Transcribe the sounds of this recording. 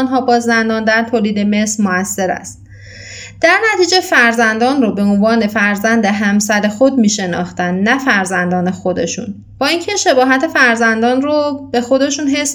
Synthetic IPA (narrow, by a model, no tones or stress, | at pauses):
nɦɒːbɒːzːænd̪ɒːnd̪æɾt̪ʰoːliːd̪e̞me̞sɾmoæsːe̞ɾæ̰st̪ | d̪̥æɾnæt̪ʰiːd͡ʒe̞fæɾzænd̪ɒːnrobe̞onvɒːne̞fæɾzænd̪eɦæmsæɾe̞xod̪̚miːʃe̞nɒ̰ːxt̪ænnæfæɾzænd̪ɒːne̞xod̪e̞̰ʃṵn | b̥ɒːiːŋcʰeʃe̞bɒːɦæt̪ʰe̞fæɾzænd̪ɒːnrobe̞xo̞d̪e̞ʃuːnɦe̞s